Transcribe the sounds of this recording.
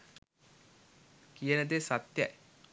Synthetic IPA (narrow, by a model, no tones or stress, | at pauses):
kijənəd̪esat̪ja̰j